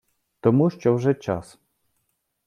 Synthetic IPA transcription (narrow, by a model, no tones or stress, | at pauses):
t̪ɔmuʃt͡ʃɔwʐɛt͡ʃa̰s